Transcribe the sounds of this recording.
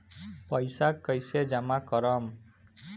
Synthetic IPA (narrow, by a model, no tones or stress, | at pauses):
pʌjsakːʌjsed͡ʒamakɔɾʌm